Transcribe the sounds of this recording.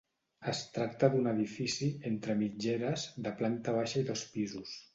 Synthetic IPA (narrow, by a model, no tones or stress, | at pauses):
əst̪ɾak̚t̪əðunəðifisient̪ɾəmid͡ʒeɾəzðəplant̪əβ̞aʃəiðospizus